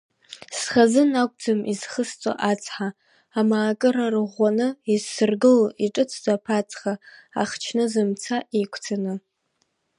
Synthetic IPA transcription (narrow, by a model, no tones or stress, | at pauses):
sχazɨnakʷʼd͡zɨmiz̥χəst͡sʷʼa̰ʔat͡sʰʼħaː | maːkʼɨɾarɨʁʷanɨizsɨrɡɨliʈ͡ʂʼɨt͡sʷʰd͡zʼapʰat͡sʰʼχaa̰χt͡ʃʰnɨzɨmt͡sʰaʔekʷʰt͡sʰanɨ